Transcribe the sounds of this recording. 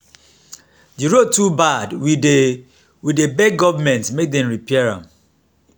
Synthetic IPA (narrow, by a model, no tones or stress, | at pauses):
d͡ʒiɹotːubadwide | widebɛɡɔvamɛ̃ntmek̚dɛ̃mɹipʰɛaɹã̰m